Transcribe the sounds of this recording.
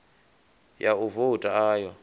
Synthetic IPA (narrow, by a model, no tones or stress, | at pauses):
jauvotʼaaːjɔ